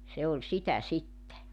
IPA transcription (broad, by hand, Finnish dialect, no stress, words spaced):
se olʲ sitæ sitːe